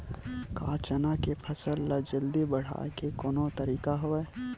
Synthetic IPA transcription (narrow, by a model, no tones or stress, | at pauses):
ka̰ːt͡ʃənakepʰɐsəlːad͡ʒɐld̪ibɐɽ̤a̰ːkekoːnot̪ɐɾiːkaɦoɛː